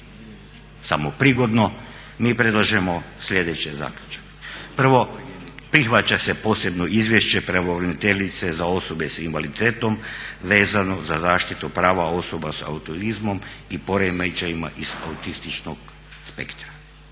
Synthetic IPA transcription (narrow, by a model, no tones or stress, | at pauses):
samopɾiɡo̞d̪no | miːpɾed̪lˠaʒemo̞slʎʲe̞d̪et͡ɕeza̰ːkʎʲu̥t͡ʃḁke̥pr̩ʋo̞pɾixʋat͡ʃasepo̞ːsebnoizʋjeʃt͡ʃepɾaʋoʋɾenit̪eʎit̪sezao̞sobesinʋalit̪eːt̪omʋeːzano̞zazaːʃt̪it̪upɾaːʋao̞sobasa̰ut̪oɾizmomipo̞ɾemet͡ʃajima̰ʔiz̥a̰ut̪ist̪it͡ʃnoɡ | spḛkt̪ɾḁ